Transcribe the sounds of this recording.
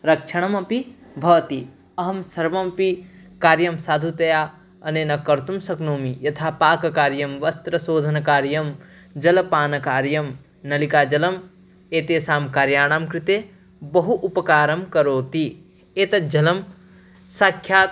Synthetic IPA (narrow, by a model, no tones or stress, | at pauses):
ɾɐkʃʰɐɽ̃ɐmɐpibʱɐʋt̪i | ɐɦɐmsɐɾʋɐmpikaːɾjɐmsaːd̪ʱut̪ɐjaː | ɐneːnɐkɐɾt̪umsɐknoːmijɐt̪ʰaːpaːkɐkaːɾjɐmʋɐst̪ɾɐsoːd̪ʱɐnɐkaːɾjɐm | d͡ʒɐlɐpaːnɐkaːɾjɐm | nɐlikaːd͡ʒɐlɐm | eːt̪eːsaːmkaːɾjaːɽ̃aːmkɾit̪eː | bɐɦuʔupɐkaːɾɐmkɐɾoːt̪i | eːt̪ɐd͡ʒɐlɐm | sakʰjaːt̪